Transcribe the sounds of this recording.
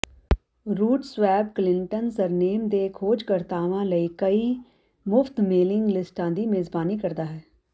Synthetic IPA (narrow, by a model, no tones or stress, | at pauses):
ɾuːʈsʋɛːbklɪɳʈənsəɾneːmd̪eːkʰoːd͡ʒkəɾt̪aːʋãːləiːkəiː | mʊft̪meːlɪŋɡlɪsʈãːd̪iːmeːzbaːniːkəɾd̪aːɦɛː